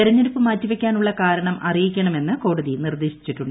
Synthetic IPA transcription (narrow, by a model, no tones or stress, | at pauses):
iɾɐɲːeɾupːɨmaːtːiʋekʲːaːnuɭːɐkaːɾɐɳɐmʔɐrijikʲːɐɳɐme̞nːɨko̞ːɽɐðinird̪e̞ːɕi̥t͡ɕːiʈːuɳɖ